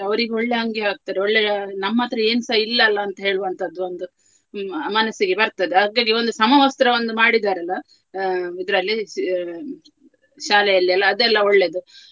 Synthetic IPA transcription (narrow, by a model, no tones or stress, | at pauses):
ɐʋɐɾiɡeoɭːeɦɐŋɡeɦaːɡ̚t̪aːɾeoɭːenɐmːɐaːt̪ɾɐe̞ːnusɐilːɐːlːɐːnt̪ɐɦe̞ːɭuʋɐnt̪ʰɐd̪ːuond̪u | mɐnɐsiɡebɐɾt̪ɐd̪eɦaːɡaːɡio̞nd̪usɐmɐʋɐst̪ɾɐond̪umaːɽid̪aːɾɐlːɐ | id̪ɐɾɐlːi | ʃaːlɛjɐlːiɐlːɐːd̪ɛlːɐoɭːe̞d̪u